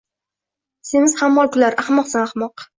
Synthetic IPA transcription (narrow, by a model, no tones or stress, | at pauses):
senɪz̥hamːɒkʰʊlaɾaχmɒqsanaχmɒq